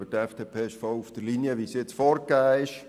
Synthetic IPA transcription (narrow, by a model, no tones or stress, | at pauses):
ətɛfd̥̪eːpʰeːɪʃfɔwufd̥əɾliniəʋisjɪt͡sfɔɾkæːɪʃ